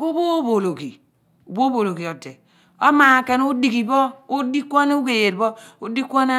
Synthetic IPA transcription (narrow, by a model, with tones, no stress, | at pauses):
u˦bo˦bo˨lo˨ki˨ | u˨bo˦bo˨lo˨ki˨o˨tːe˨ | o˦ma˨ke˦n˦u˦di˨ki˨bɔ˦u˦di˦kʷo˦n˦u˦ɡe˨je˨dbɔ˦u˦di˦kʷo˦na˦